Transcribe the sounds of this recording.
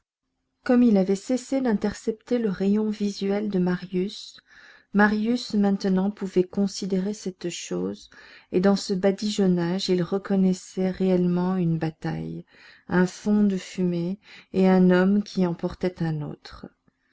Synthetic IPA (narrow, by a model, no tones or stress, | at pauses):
kɔmilavɛsesed̪ɛ̃t̪ɛʁsɛp̚t̪eləʁejɔ̃vizɥɛld̪əmaʁjys | maʁjysmɛ̃t̪nɑ̃puvɛkɔ̃sid̪eʁesɛt̪ʃoːzed̪ɑ̃səbad̪iʒɔnaʒilʁəkɔnɛsɛʁeɛlmɑ̃ynbat̪a̰j | ɛ̃fɔ̃d̪əfymeːɛ̃nɔmkʲʰiɑ̃pɔʁt̪ɛt̪ɛ̃no̰ːt̪χ